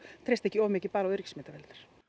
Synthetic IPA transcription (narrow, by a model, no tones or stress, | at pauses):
t̪ʰɾejst̪ɛhcːɪɔːvʏmɛcɪpaːɾaʏɾicsmɪːt̪avɛlt̪aɾ̥